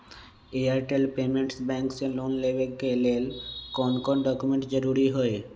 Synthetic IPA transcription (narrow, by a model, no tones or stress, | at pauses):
eaɾʈelpemẽɳʈsbɛ̃ŋksẽlonlebekelelkɔnkɔnɖɔkumẽɳʈd͡ʒəɾuɾiɦoe